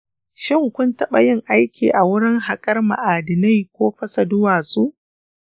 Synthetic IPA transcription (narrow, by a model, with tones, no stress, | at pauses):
ʃɪ˦ŋkʷʊ˦ntɐ˦ɓɐ˨jɪ˦ŋʔa˦jkʲḭː˨ʔa˨wʊ˦ɽɪ˦ŋɦa˨kʼɐ˦rma̰˨ʔaː˨dɪ˨na˦˨jkʷoː˦ɸɐ˦sɐ˨dʊ˦waː˨su˦ʔ